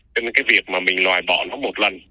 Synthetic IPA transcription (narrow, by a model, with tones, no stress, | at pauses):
t͡ɕe˧nkaː˨˦jvi˨˩ək̚maː˨˩mï˨˩ŋ̟lwaː˨˩jɓɔ̰˧˩nɔ˨˦mo˨˩t̚lə˨˩n